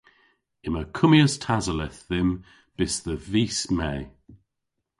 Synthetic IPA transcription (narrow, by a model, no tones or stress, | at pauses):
ɪməkʰʊmiəstʰazəlɛθðɪm | b̥ɪsðəviːsmɛː